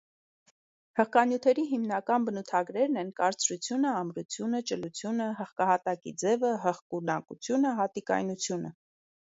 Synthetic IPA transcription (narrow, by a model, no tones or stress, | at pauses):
həχkɑnjut̪ʰɛɾiɦimnɑkɑnbənut̪ʰɑɡɾɛɾnɛnkɑɾt͡sɾut͡sʰjunəɑmɾut͡sʰjunət͡ʃəlut͡sʰjunəɦəχkɑhɑt̪ɑkḭd͡zɛvəɦəχkunɑkṵt͡sʰjunəɦɑt̪ikɑ̰jnut͡sʰjunə̰